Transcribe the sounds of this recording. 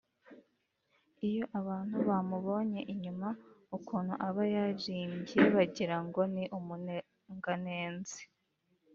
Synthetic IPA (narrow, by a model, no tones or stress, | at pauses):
ijo̞ʔaβaːn̥huβamuβo̞ːɲe̞ʔiɲumaukuːn̥huʔaβajaʒiːmɟieβaɟiɾaŋɡo̞niʔumun | ŋɡane̞ːnze̥